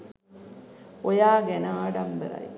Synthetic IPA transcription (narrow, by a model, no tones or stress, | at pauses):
ojaːɡenaːɽɐmbəɾɐ̰j